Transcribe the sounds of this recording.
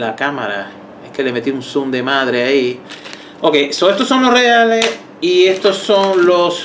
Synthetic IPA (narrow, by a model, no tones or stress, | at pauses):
lakama̰ɾa̰ | eske̞le̞me̞t̪iunsumd̪e̞mãð̞ɾeai | okesoest̪oso̞ŋlo̞sreales | ie̞st̪oso̞ŋlos